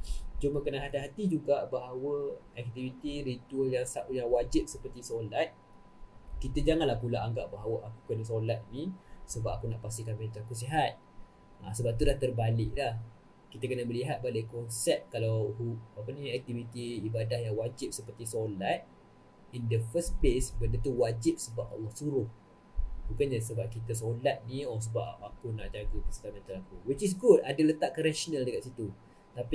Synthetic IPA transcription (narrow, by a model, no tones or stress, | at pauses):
t͡ʃumakənaɦat̪iɦat̪id͡ʒuɡaʔbaɦawəɛk̚t̪ivit̪iɾit̪ualjaŋsaʔujaŋwad͡ʒɪp̚səpərt̪isolat̪̚ | kit̪əd͡ʒaŋãnlahpulaʔaŋɡaʔbaɦawəʔaku̥kənasolat̪̚nisəbap̚akunaʔpas̬t̪ikanmet̪uakus̬eɦat̪̚ | a̰səbap̚t̪ulaht̪ərbalɪk̚lah | kit̪əkənəbəliɦat̪̚balakɔnsɛp̚kalawɦuap̬ənĩɛk̚t̪ivit̪iːbadahjaŋwad͡ʒip̚səpərt̪isolat̪̚ | indəfəsplesbəndət̪uwad͡ʒip̚səbapa̰lːɔhsuɾʊh | bukanɲas̬əbap̚kit̪əs̬olat̪̚nĩɔs̬əbapakuna̰ʔd͡ʒaɡəpḁsi̥kanmɛ̃nt̪alakuwit͡ʃis̬ɡudadələt̪aʔkːəɾɛʃonə̃ldəkaʔ̪̚sit̪u | t̪api